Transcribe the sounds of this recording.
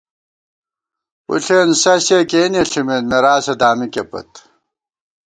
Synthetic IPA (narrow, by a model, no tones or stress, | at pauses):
ṵɬʰensɐɕekeːneɬimenmeɾaːsed̪aːmikepɐ̰t̪